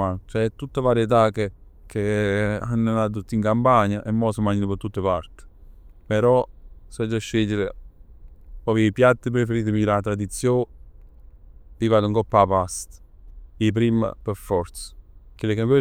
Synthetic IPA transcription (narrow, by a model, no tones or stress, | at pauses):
at͡ʃɛt̪ːut̪ːavaːɾjet̪̬ake | kʰeanːenat̪̬ut̪ːiŋkampaɲaʔɛmːɔsəmaɲinəpət̪ːut̪ːepaɾt̪ɪ̥ | peɾɔsɛd͡ʒaʃːeʎːɪɾe | pɔpipjat̪ːəp̬ɾefeɾiːt̪̬əmilat̪ɾad̪it̪sːjoː | pivat̪uŋkopːapast̪ip̬ɾimə̰peɾfɔɾt̪sə̥kelːekampɛ